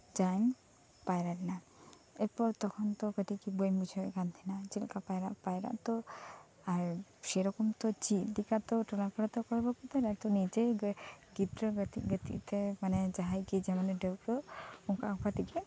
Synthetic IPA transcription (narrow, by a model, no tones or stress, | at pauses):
d͡ʒajŋ | pajɾaɾina | epɔɾt̪ɔkʰɔnt̪ɔkəʈ̪ikibojmud͡ʒʰʱɔjɡant̪ʰinad͡ʒilkapajɾaʔpajɾa̰ʔt̪ɔ | aɾʃeɾɔkɔmt̪ɔt͡ʃidikat̪ɔʈɔlapʰɔɽɔt̪ɔkɔɾbɔkɔt̪ɔɾat̪ɔnid͡ʒeɡit̪ɾɔɡət̪ḭɡət̪ḭt̪ɛmanɛd͡ʒaɦajkid͡ʒɛmaneɖewt̪ɔuŋkaʔkpat̪ikɛ